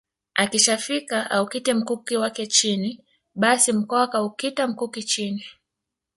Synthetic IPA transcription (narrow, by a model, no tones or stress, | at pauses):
akiʃafikaaukitɛm̩kukiwakɛt͡ʃini | ɓasim̩kɔakaukitam̩kukit͡ʃini